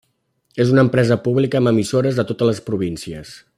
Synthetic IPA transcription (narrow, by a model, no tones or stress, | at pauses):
ezunəmpɾɛzəpuβlikəːməmisoɾəzðət̪ot̪ələspɾuβ̞insiəs